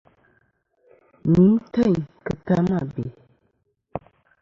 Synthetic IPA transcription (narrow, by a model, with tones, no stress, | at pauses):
mi˨˦mtə˦˨ɲkɨ˨ta˦ma˦˨bḛ˨